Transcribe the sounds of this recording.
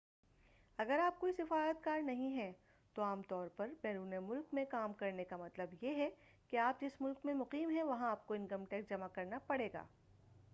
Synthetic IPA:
ɐɡəɾaːp̚koːisɪfaːɾət̪kaːɾnɐɦĩɦɛ̃ | t̪oaːmt̪ɔːɾpɐɾbɛːɾuːnemʊlkmẽkaːmkɐɾnekamɐt̪ləbjeɦɛ | keaːp̚d͡ʒɪsmʊlkmẽmʊqiːmɦɛ̃ʋɐɦãaːp̚koɪ̃nkɐmʈɛːk̚sd͡ʒɐmakɐɾnapɐɽeːɡa̰ː

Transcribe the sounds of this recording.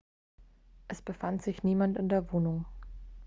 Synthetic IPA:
ʔɛsb̥əfantz̥ɪçniːmantɪndeːɐvoːnʊŋ

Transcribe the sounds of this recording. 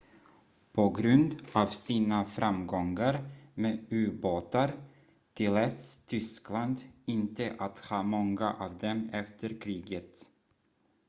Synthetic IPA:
pʰɔɡɾɵnd̪avsiːnafɾamɡɔŋːaɾmeːʉ̟ːboːt̪aɾ | t̪ʰɪlɛt̪st̪ʰʏskland̪ɪnt̪əʔat̪hɑːmɔŋːaʔɑːvd̪ɛmɛft̪əɾkʰɾiːɡət̪

